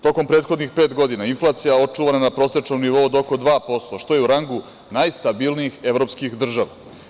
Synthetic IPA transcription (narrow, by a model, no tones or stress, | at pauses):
t̪o̞ko̞mpɾet̪xod̪nixpe̞ːt̪ɡo̞d̪inainflˠaːt̪sijao̞t͡ʂuʋananapɾo̞ːset͡ʂnomniʋo̞ud̪oko̞d̪ʋaːpo̞st̪oʃt̪o̞jeuɾaŋɡu | najst̪abilˠniixe̞ʋɾo̞pskixd̪r̩ʒaʋa